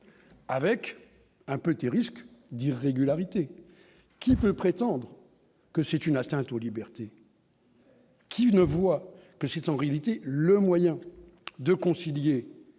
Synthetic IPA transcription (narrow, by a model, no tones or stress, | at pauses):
avɛk | ɛ̃pøt̪eʁiskd̪iʁːeɡʲylaʁit̪e | kʲipøpχet̪ɑ̃d̪ʁ | kəsɛt̪ynat̪ɛ̃t̪olibɛʁt̪e | kʲʰinəvwa | kəsɛt̪ɑ̃ʁealit̪eləmwajɛ̃ | d̪əkɔ̃silje